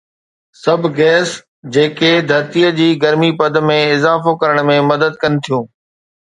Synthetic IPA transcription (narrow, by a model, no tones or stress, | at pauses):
sɐbʱɡɛːs | d͡ʑeːked̪ʱɐɾt̪ijəd͡ʑiːɡɐɾmipɐd̪mẽɪzaːfokɐɾəɽ̃mẽmɐd̪əd̪̚kɐnɪ̆t̪ʰijũː